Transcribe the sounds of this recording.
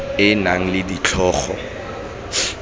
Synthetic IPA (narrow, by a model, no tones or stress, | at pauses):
ɪnaŋ̩lɪdit͡ɬʰɔːχɔ̰